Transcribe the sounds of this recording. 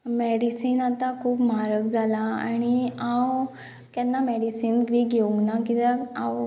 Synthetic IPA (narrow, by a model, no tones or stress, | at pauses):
mɛɽisiːnat̪akʰuːpmaɾək̚d͡zʱalaa̰ɽ̃iãw | kjanːamɛɽisiːnʋiɡʱeũŋɡnakit̪aaw